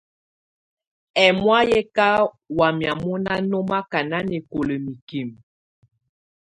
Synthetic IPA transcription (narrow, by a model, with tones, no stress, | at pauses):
ɛ˨mwa˦jɛ˦ka˦ | wa˨mja˨mu˦na˦nɔ˦ma˦ka˨na˦nɛ˨ko˨lə˨mi˨ki˨m